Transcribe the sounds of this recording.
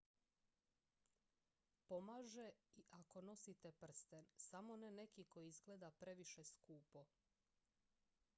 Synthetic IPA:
po̞maːʒeiʔako̞no̞sit̪e̞pr̩st̪ensamo̞nene̞kiko̞jiizɡle̞ːd̪apɾe̞ʋiʃe̞skuːpo̞

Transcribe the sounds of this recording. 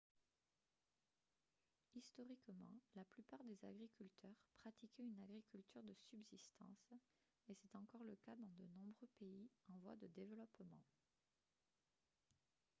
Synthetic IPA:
ist̪ɔʁikmɑ̰̃laplypaʁd̪eza̰ɡʁikʲylt̪ʰœʁpχat̪ikʲynaɡʁikʲylt̪yʁd̪əsybzist̪ɑ̰̃s | esɛt̪ɑ̃kɔʁləkad̪ɑ̃d̪ənɔ̃bʁøpeiɑ̃vwa̰d̪əd̪evəlɔpmɑ̰̃

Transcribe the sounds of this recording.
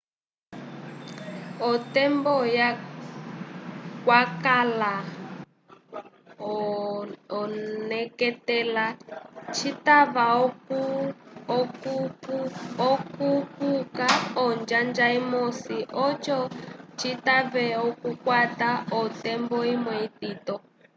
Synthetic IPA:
ɔtɛmbɔja | kwakala | ɔnɛkɛtɛlat͡ʃʰitaβa | ɔkukukaɔnd͡ʒand͡ʒaimɔsiʔɔt͡ʃɔt͡ʃʰitaβɛɔkukwataɔtɛmbɔimwɛitiːtɔ

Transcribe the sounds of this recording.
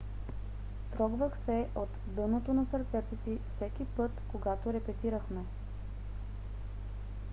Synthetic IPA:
t̪ɾɔɡvəxsɛot̪d̪ɤnot̪onɐsəɾt̪sɛt̪osifsɛk̟ipɤt̪koɡat̪oɾɛpɛt̪iɾəxmɛ

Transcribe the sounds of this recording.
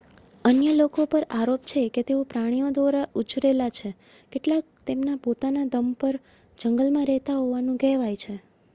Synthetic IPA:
ənjəlokopəɾaɾopt͡ʃʰeket̪eopɾaɽ̃ijod̪ʋaɾaʔut͡ʃɾelat͡ʃʰe | keʈlak̚t̪emnapot̪anad̪əmpəɾ | d͡ʒəŋɡəlmãɾɛɦt̪aɦoʋanũɡɛɦʋajt͡ʃʰe

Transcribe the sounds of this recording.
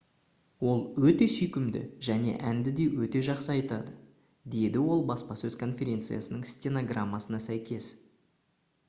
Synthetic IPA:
wo̞lˠwɵt̪e̞sʏjkʲɪmd̪ɪ̰ʒæne̞̰ʔænd̪ɪd̪e̞wɵt̪e̞ʒɑqsəɑjt̪ɑd̪ə | d̪e̞d̪ɪwo̞lˠbɑspɑsɵz̥kʰo̞nfʲe̞ɾʲe̞nt̪sɨja̰sənəɴstʲeno̞ɡramːasənɑsæjkʲe̞s

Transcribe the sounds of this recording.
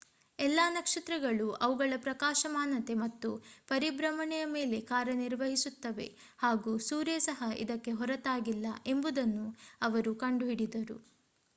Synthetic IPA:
ɛlːaːnɐkʂɐt̪ɾɐɡɐɭuʔɐʋuɡɐɭɐpɾɐkaːʃɐmaːnɐt̪e̞mɐt̪ːupɐɾibɾɐmɐɳɛjɐmeːle̞kaːɾɐniɾʋɐɦisut̪ːɐʋḛ | haːɡuːsuːɾjesɐɦɐḭd̪ɐkːe̞ɦɔɾɐt̪aːɡilːɐ̰ʔe̞mbud̪ɐnːuɐʋɐɾukɐɳɖuɦiɽid̪ɐɾṵ

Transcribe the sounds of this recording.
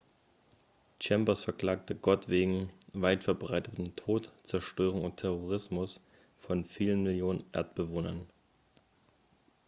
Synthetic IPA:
t͡ʃɛmpɐsfɛɐkl̥aːk̚təɡɔtv̥eːɡŋ̩vaɪtfɛɐbʁaɪtətn̩tʰoːtt͡sɛɐʃtøːʁ̞ʊŋʊntʰɛʁoʁ̞ɪsmʊs | fɔnfiːlənmɪljoːnənʔḛɐtb̥əvoːnɐn

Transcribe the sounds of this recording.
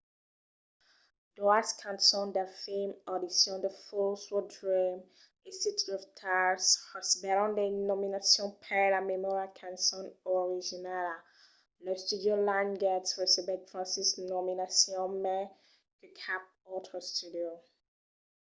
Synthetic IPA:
d̥ɔaskʰãnsɔ̃ndafemɔdisjɔ̃ndəfɔlswɔdɹim | istitʰiɔftʰashɔsbɛɾɔ̃ndenɔminasjɔ̃npʰɛlamɛmɔɹakʰãnsɔ̃nɔɹid͡ʒinala | lɔstudiolãnɡɛtsɹɛsibɛtfɹãnsisnɔminasjɔ̃nmɛ | kɛkʰap̚ | ɔtʰɔstudio

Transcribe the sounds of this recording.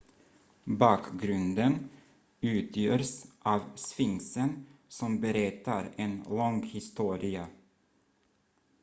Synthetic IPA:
bɑːkɡɾɵnd̪ən | ʉ̟ːt̪ʰjøːɾsʔɑːvsfɪŋsənsɔmbɛɾɛt̪ːaɾɛnlɔŋhɪst̪uːɾɪa

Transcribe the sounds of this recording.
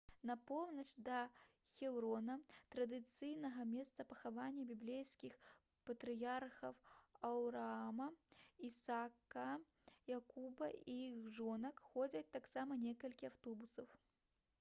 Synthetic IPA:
nɐpɔwnɐt͡ʂd̪ɐ | xʲɛwɾɔnɐt̪ɾɐd̪ɨt̪sɨjnɐɣɐmʲɛst̪sɐpɐxavanʲːɐbʲiblʲejskʲix | pɐt̪ɾɨjarxɐwɐwɾaamɐisakɐ | jakubɐijixxʐɔnɐkxɔd͡zʲɐt͡sʲt̪aksamɐnʲɛkɐlʲkʲiawt̪ɔbusɐw

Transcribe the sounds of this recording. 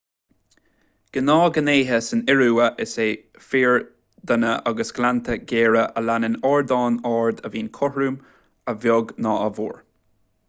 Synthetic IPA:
ɡ̥ənɑːɡəneːɦəsənɪɹuːəʔɪseː | fiːɹ | d̪ənəʔaɡəsɡ̥lant̪ʰəɡeːɹəʔəlanənɔːɹd̪ɑːnɑːɹd̪əviːnkʰɔhɹuːm | əvjɔɡnɑːəvṵːɹ

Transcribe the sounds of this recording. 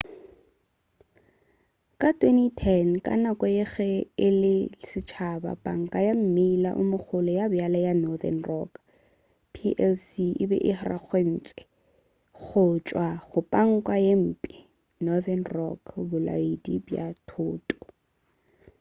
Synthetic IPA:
kʼatʼwenitʰɛnkʼa̰nakʼɔjeɣɛɪlɪsɪt͡ʃʰaba̰pʼaŋ̩kʼajam̩meila̰ʔʊmʊχʰʊlɔjabjalajanɔðɛ̰nrɔ̰k | pʰiʔɛlsiʔɪbɛ̰ʔɪhraχwen̩ːt͡sʼwɛ | χʊt͡ʃʼwaχʊpʼaŋ̩kʼwajem̩ːpʼɪ | nɔðɛnrɔ̰kʰbʊla̰idibja̰tʰʊːtʼɔ̥

